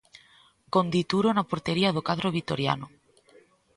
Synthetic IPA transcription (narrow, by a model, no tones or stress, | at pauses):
kond̪it̪uɾonapoɾt̪eɾiaðokaðɾoβit̪o̰ɾja̰no